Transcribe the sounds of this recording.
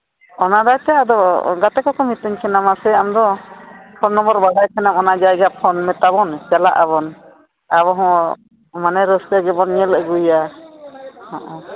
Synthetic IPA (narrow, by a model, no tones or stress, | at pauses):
ɔnad̪at͡ʃad̪ɔɡat̪ɛkɔkɔmit̪əɲkʰɛnamasɛamd̪ɔpʰɔnːɔmbɔɾbaɽajkʰɛnamɔnad͡ʒajɡapʰɔnmɛt̪aβɔnt͡ʃalaʔaβɔn | aβɔɦɔ̃ | manɛɾɔskaɡɛbɔnɲɛləɡuja | haʔɔ̃